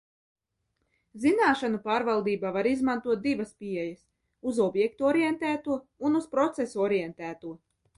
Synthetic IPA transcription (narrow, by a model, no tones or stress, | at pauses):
zinaːʃanupaːɾvalˠd̪iːbavaɾizmant̪uɔt̪̚d̪ivɐspiɛjɐs | uzɔbjɛk̚t̪uɔɾijɛnt̪æːt̪uɔunuspɾɔt̪sesuɔɾijɛnt̪æːt̪uɔ